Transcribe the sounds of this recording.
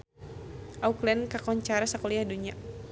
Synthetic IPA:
ʔauklɛnkakɔɲt͡ʃaɾasakɔliahduɲa

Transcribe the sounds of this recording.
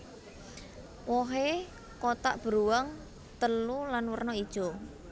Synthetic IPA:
wɔɦe | kot̪aʔb̥əɾuwaŋ | t̪əlulanwərnɔid̥ʒ̥ɔ

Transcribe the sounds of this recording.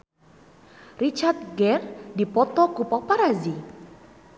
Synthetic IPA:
rit͡ʃart̪̚ɡɛrdipɔt̪ɔkupɔpaɾazi

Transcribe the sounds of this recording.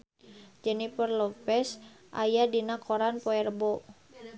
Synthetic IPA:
d͡ʒɛnipərlɔpɛs | ʔa̰jadinakʰoɾanpoɛrbɔ

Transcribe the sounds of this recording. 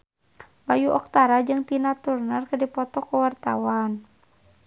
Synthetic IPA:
bajuʔɔk̚t̪aɾad͡ʒɨŋt̪inat̪urnarkɨdipɔt̪ɔkuwart̪awan

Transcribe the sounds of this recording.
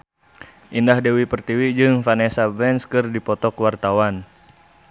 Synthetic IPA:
ʔindahdɛwipərt̪iwid͡ʒɨŋfanɛsabɛnskɨrdipɔt̪ɔkwart̪awan

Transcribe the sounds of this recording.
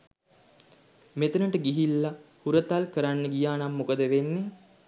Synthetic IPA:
met̪ənəʈəɡiɦilːahuɾət̪alkəɾanːəɡijaːnamːukəd̪əʋenːe

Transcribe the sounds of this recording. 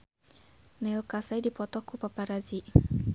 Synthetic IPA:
nɛlkasajdipɔt̪ɔkupapaɾazi

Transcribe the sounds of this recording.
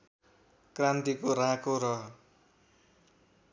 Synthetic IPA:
krant̪ikoɾãkoɾʌ

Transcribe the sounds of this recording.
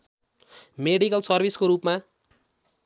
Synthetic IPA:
meɽikʌlsʌrbʱiskoɾupma

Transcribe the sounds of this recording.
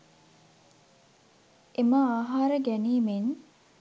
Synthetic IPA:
eməaːɦaːɾəɡæniːmen

